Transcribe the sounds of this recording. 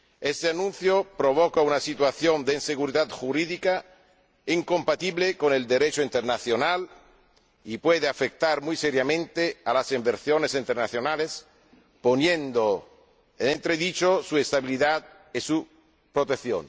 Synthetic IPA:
est̪eanũn̟θjopɾoβ̞ɔkaunasit̪waθjond̪einseɣuɾiðat̪xuɾiðika | iŋkompat̪iβlekoneld̪eɾet͡ʃoint̪eɾnaθjonal | ipweðeafek̚t̪aɾmujseɾjamẽnt̪ealasimbeɾsjonesint̪eɾnaθjonales | ponjend̪o | enẽnt̪ɾeðit͡ʃosuest̪aβiliðat̪ | esu | pɾot̪eθjo̰n

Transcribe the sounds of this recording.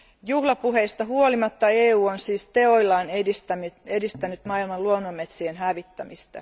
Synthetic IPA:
juhlɑpuɦe̞ist̪ɑɦuo̞limɑt̪ːɑeːuːonsiːst̪e̞o̞jlːɑːnist̪æedist̪ænyt̪mɑilmɑnluonːomːet̪sienɦæʋit̪ːæmist̪æ̰

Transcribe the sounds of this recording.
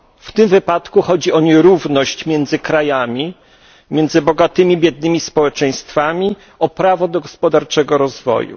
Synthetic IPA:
ft̪ɘmvɘpat̪kuxɔd͡ʑiɔɲɛɾuvnɔɕt͡ɕmʲjɛnd̪zɘkɾajamʲi | mʲjɛnd̪zɘbɔɡat̪ɘmʲibʲjɛd̪̚nɘmʲispɔwɛt͡ʂɛ̃j̃st̪famʲi | ɔpɾavɔd̪ɔɡɔspɔd̪aɾt͡ʂɛɡɔɾɔzvɔ̰jṵ

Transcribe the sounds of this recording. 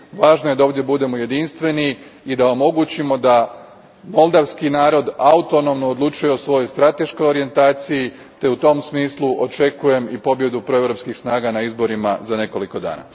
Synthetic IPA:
ʋaːʒnojeaoːʋd̪je̞bud̪e̞moje̞d̪inst̪ʋe̞niid̪aomo̞ɡut͡ɕimo̞d̪a | mo̞lˠd̪aʋskinaːɾo̞d̪aut̪o̞no̞mnood̪lˠut͡ʃujeosʋo̞jojst̪ɾat̪e̞ʃkojo̞ɾije̞nt̪aːt̪siji | t̪e̞ut̪o̞msmiːsluʔo̞t͡ʃe̞kuje̞mipo̞bje̞d̪upɾoeʋɾo̞pskixsnaːɡanaizbo̞ɾimazane̞ko̞liko̞d̪a̰ːna̰

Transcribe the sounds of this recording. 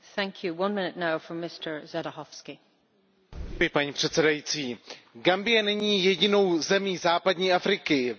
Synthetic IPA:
θæ̃ŋkʰjuwʌ̃nmɪ̃nɪtnaʊfə˞mɪstʰə˞zadəhɔfskɪ | jɪpaɲiːpr̥ɛt̪sɛdajiːt͡siːɡambɪjɛnɛɲiːjɛɟɪno̞wzɛmiːzaːpadɲiːʔafɾɪkɪ

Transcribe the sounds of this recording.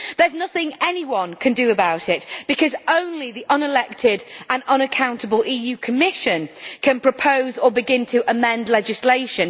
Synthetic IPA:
ðə˞znʌθɪ̃ŋɛniwʌ̃nkʰə̃ndəːbaʊtɪtb̥ɪkʰɒzõʊ̃nliðiʔʌ̃nɪlɛk̚tʰɪdə̃nʌ̃nəkʰãʊ̃ntəbəlʔiːjʉːkʰəmɪʃə̃nkʰə̃npʰɹ̥əpʰoʊzəbɪɡɪ̃ntʰəʔəmɛ̃ndˡlɛd͡ʒɪsleɪʃə̃n

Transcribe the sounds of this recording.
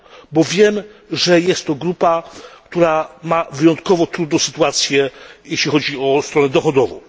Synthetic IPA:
bɔvʲjɛmʐɛjɛst̪ːɔɡɾupakt̪uɾamavɘjɔnt̪kɔvɔt̪ɾud̪nɔ̃w̃sɘ̥t̪uat̪sʲjɛjɛɕlʲixɔd͡ʑiɔst̪ɾɔnɛd̪ɔxɔd̪ɔvɔ̰̃w̃

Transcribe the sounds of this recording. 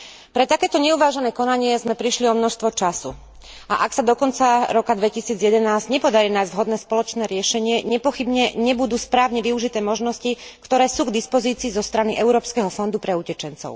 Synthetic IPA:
pɾɛt̪akɛːt̪ɔɲɛuʋaːʒɛnɛːkɔnaɲɪɛzmɛpɾiʃliɔmnɔʃst̪ʋɔt͡ʃasṵ | a̰ʔaksad̪ɔkɔnt͡saɾɔkad̪ʋɛcisiːd͡zjɛd̪ɛnaːzɟɲɛpɔd̪aɾiːnaːjzɟ̪vɦɔd̪nɛːspɔlɔt͡ʃnɛːɾɪɛʃɛɲɪɛɲɛpɔxibɲɛɲɛbud̪uːspɾaːʊɲɛʋiuʒit̪ɛːmɔʒnɔscikt̪ɔɾɛːsuːɡd̪ispɔziːt͡siːzɔst̪ɾaniʔɛʊɾɔːpskɛɦɔfɔnd̪upɾɛucɛt͡ʃɛnt͡sɔ̰ʊ

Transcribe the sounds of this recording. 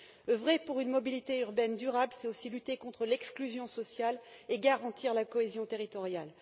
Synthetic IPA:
əvʁɛpuʁynmɔbilit̪eyʁbɛnd̪yʁablsɛosilyt̪ekɔ̃t̪χəlɛksklyzjɔ̃sɔsjaleɡaʁɑ̃t̪ʰiʁlakɔezjɔ̃t̪eʁit̪ɔʁjal

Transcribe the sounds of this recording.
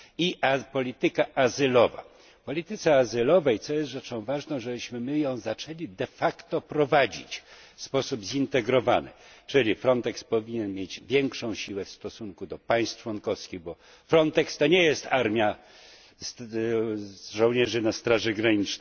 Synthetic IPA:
iapɔlʲit̪ɘkaʔːzɘlɔva̰ | pɔlʲit̪ɘt̪sɛazɘlɔvɛjt̪sɔjɛst̪ʐɛt͡ʂɔ̃w̃vaʐnɔ̃w̃ʐɛbɘɕmɘmɘjɔ̃w̃zat͡ʂɛlʲid̪ɛfakt̪ɔpɾɔvad͡ʑḭt͡ɕfspɔsubzint̪ɛɡɾɔva̰nɘ̰t͡ʂɘlʲifɾɔnt̪ɛkspɔvʲiɲɛnmʲjed͡ʑvʲjɛŋkʂɔ̃w̃ɕiwɛfst̪ɔsuŋkud̪ɔpaj̃st̪t͡ʂwɔnkɔfskʲiɣbɔ | fɾɔnt̪ɛkst̪ɔɲɛjɛst̪aɾmʲja | s | ʐɔ̃w̃ɲɛʐɘnast̪ɾaʐɛɡɾaɲit͡ʂnɛ

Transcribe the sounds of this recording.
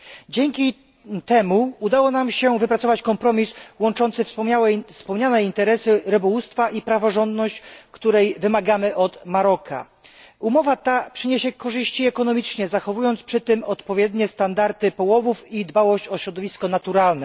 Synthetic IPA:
d͡ʑɛŋkʲi | t̪ɛmuud̪awɔnamɕɛvɘpɾat̪sɔvat͡ɕkɔmpɾɔmʲiswɔnt͡ʂɔnt̪sɘfswɛspɔmɲanɛint̪ɛɾɛsɘɾɘbɔwust̪faʔipɾavɔʐɔnd̪nɔɕt͡ɕkt̪uɾɛjvɘmaɡamɘʔɔt̪maɾɔkʰa̰ | umɔvat̪apʂɘɲeɕɛkɔʐɘɕt͡ɕiɛkɔnɔmʲit͡ʂɲɛzaxɔvujɔnt̪spʂɘt̪ɘmɔt̪pɔvʲjɛd̪ɲɛst̪and̪aɾt̪ɘpɔwɔvufid̪bawɔɕt͡ɕɔɕɾɔd̪ɔvʲiskɔnat̪uɾalnɛ

